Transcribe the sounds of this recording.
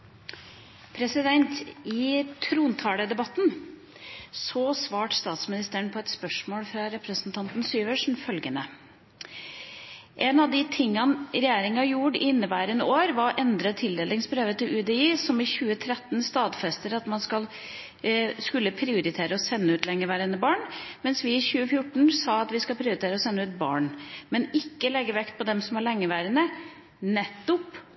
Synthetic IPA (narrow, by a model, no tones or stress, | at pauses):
pʰɾɛsɪd̪ɛnt̪ɪt̪ʰɾuːnt̪ʰɑːləd̪ɛbɑt̪ːn | sɔsʋɑːʈst̪ɑːt̪smɪnɪst̪əɳpʰɔɛt̪spœʂmoːlfɾɑɾɛpɾəsnt̪ʰɑnt̪n̩syːʋəʂɳ̩fœlɡənə | ʔɛnɑʋd̪ɪt̪ʰɪŋːɑnɾɛjeːɾɪŋɑjuːɖɪnːəʋæːɾənoːɾʋɑɾʔɛnd̪ɾət̪ʰɪld̪eːlɪŋsbɾøːʋət̪ʰɪlʉd̪ɛiːsɔmɪçʉːət̪ʰɾɛt̪ːnst̪ɑːd̪fɛst̪əɾɑt̪mɑnskɑl | skʉlːəpʰɾɪʊɾɪt̪ʰeːɾəɔsɛnːəʉːt̪lɛŋːəʋæːɾənəbɑːɳmɛnsʋɪːçʉːəfjʊʈːɳ̩sɑːɑt̪ʋɪskɑlpʰɾɪʊɾɪt̪ʰeːɾəɔsɛnːəʉːt̪̚bɑ̰ːɳmɛnɪkːəlɛɡːəʋɛkt̪̚pʰɔd̪ɛmsɔmɑɭɛŋːəʋæːɾənə | nɛt̪ːʊp